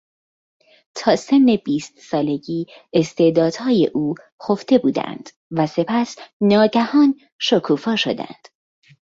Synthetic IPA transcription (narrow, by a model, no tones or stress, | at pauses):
t̪ʰɒːse̞nːe̞biːst̪sɒːle̞ɟiː | est̪e̞d̪ɒːd̪̥hɒːje̞̰ʔuː | xo̞ft̪e̞buːd̪æ̰nd̪̥ | væse̞pʰæsnɒːɟæhɒːn | ʃokʰuːfɒːʃo̞̰d̪æ̰nd̪̥